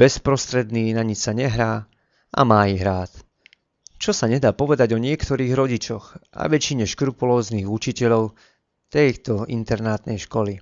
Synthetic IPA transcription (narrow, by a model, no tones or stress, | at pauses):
b̥ɛspɾɔst̪ɾɛd̪niːnaɲit͡ʃsaɲɛɦɾaː | ʔa̰maːiɦɾaːt̪ | t͡ʃɔsaɲɛd̪aːpɔʋɛd̪aɟɔɲɪɛkt̪ɔɾiːɣɾɔɟit͡ʃɔɣa̰ʋɛt͡ʃiɲɛʃkɾupulɔːzniːɣut͡ʃicɛʎɔʊ | t̪ɛjt̪ɔḭnt̪ɛɾnaːt̪nɛjʃkɔli